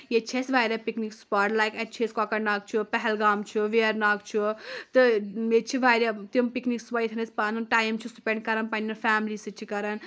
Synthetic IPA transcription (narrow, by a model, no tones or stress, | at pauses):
jet͡ʃʰesʋajɾʲapiknikspɐɾlajket͡ʃʰesʲkɔkɐʈnaɡ̚t͡ʃʰupɛɦɛlɡamt͡ʃʰuʋeɾnaɡ̚t͡ʃʰut̪ɨmet͡ʃʰiʋaɾat̪impiknikswɐjt̪ʰɨnɨspanɨnʈaːjmt͡ʃʰusupʲeɳʈ̚kɐɾɐnpɐnːɐnfaːmlisɨt͡ʃʰikɐɾɐn